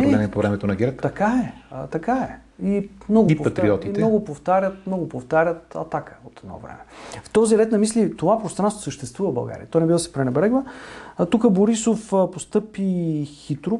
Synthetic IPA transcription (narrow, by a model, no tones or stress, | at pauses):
ɛɛnɛpovɾɛmɛt̪onɐɡʲɛɾtt̪ɐkaɛt̪ɐkaɛ | imnɔɡʊpopɐt̪ɾiɔt̪imnɛɔɡʊpoft̪aɾʲət̪̚mnɔɡʊpoft̪aɾʲət̪ɐ̰t̪akə̥ot̪ɛd̪nɔ̰vɾɛ̰mɛft̪ɔziɾɛt̪nɐmislit̪ovapɾost̪ɾanst̪vo̥səʃt̪ɛst̪vuvəbɐ̰ɡa̰ɾḭjə̰t̪ɔjnɛbivˠsɛ̥pɾɛnɛbɾɛɡlət̪ukəboɾisofpost̪ɤpixit̪ɾʊ